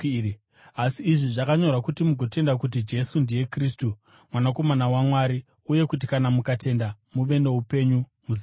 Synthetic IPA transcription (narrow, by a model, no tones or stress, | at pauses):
asiːʐiʐakaɲo̞rakutimuɡʱo̞te̞ndak̬ut̬id͡ʒe̞sundije̞kristu | mwanako̞manawamwaɾi | uje̞kut̬ikanamukate̞ndamuʋe̞ne̞upe̞ɲumuzia